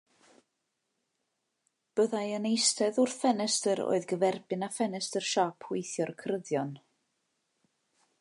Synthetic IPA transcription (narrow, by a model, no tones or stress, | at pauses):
b̥əðajənejstɛðʊr̥fɛnɛstəɾo̰ːɨðɡəvɛrbɪnafɛnɛstər̥ʃɔpʰhwɪjθjɔrkʰrəðjɔn